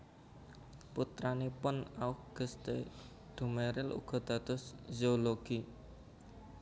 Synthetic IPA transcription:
put̪ɾanepʊnaʊkɡ̥ə̤st̪ḛ | d̪̥ṳmeɾɪlṵɡ̥ɔ̤d̪̥ä̤d̪̥ʊszooloɡ̥i

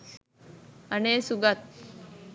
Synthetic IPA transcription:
əneːsuɡat̪̚

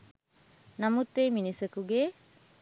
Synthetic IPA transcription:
namut̪ːeminisəkuɡe

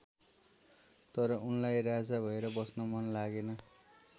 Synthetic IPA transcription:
t̪ʌɾʌʔunlajrad͡zabʱʌeɾʌbʌsnʌmʌnlaɡenʌ

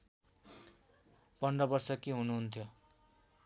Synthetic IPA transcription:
pʌnɖʌbʌrsʌkiɦunuɦunt̪ʰjo

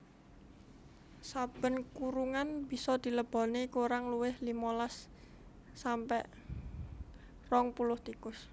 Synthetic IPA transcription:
sab̥ə̤nkuɾuŋanb̥i̤sɔd̪̥i̤ləb̥ɔ̤nikuɾaŋluwɪhlimolasː | ampɛʔ | rɔŋpulʊht̪ikʊs

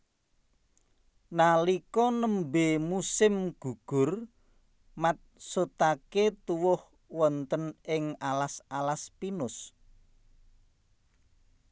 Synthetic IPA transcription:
nalikɔnəmbemusɪmɡ̥ṳɡ̥ʊ̤r | mat̪̚sot̪aket̪uwʊh | wɔnt̪ənɪŋalasalaspinʊs

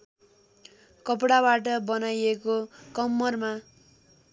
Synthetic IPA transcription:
kʌp̬ɽabaʈ̬ʌbʌnajekokʌmːʌrma

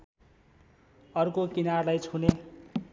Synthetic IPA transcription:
ʌrkokinarlajt͡sʰune

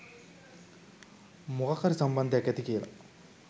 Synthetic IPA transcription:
muɣɐkːɐɾisɐmbɐnd̪iɐkːɐt̪ikijɐlɐ̰

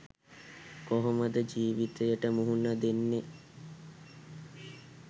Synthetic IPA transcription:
koɦoməd̪əd͡ʒiːʋit̪ejəʈəmuɦunəd̪enːe

